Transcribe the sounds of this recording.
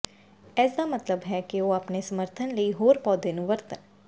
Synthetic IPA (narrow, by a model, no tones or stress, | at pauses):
ɛːsd̪aːmət̪ləbɦɛːkɪoːaːpneːsəməɾt̪ʰənləiːɦoːɾpɔːd̪eːnũːʋəɾt̪ən